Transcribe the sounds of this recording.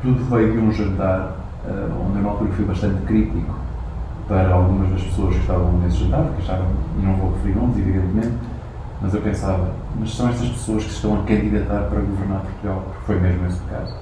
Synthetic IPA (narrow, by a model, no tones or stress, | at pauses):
t̪uðuvɐjðiũʒɐ̃nt̪aɾ | ɛ̰õ̰nd̪ew̃alˠt̪uɾɐkfojβɐʃt̪ɐ̃nt̪kɾit̪iku̥ | pɐɾɐalˠɣumɐʒðɐʃpsoɐʃkɨʃt̪avɐ̃esʒɐ̃nt̪aɾpuɾkɐʃavɐ̃w̃nɐ̃w̃voʁɨfɨɾiɾnõnziviðẽnt̪mẽnt̪ | mɐzewpẽsavɐmɐʃsɐ̃w̃ɛʃst̪ɐʃpɨ̥soɐʃkɨ̥sɨ̥ʃt̪ɐ̃w̃ɐkɐ̃nd̪iðɐt̪aɾpɐɾɐɣuvɨɾnaɾpuɾt̪uɣalˠpuɾkfojmeʒmueʃt̪ka̰zu